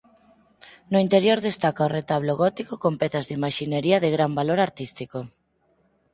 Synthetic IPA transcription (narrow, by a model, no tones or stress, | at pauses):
nʊint̪eɾjoɾðest̪akaoret̪aβloɣɔt̪ikokompɛθazðɪimaʃineɾiɐðeɣɾambaloɾaɾt̪ist̪iko